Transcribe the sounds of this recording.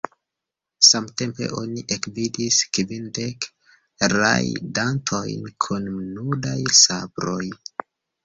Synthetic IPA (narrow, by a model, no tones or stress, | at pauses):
samte̞mpe̞̰ʔo̞niʔekvidiskvindek | ɾa̰jdantʰo̞jnkʰunmnudajsabɾo̞j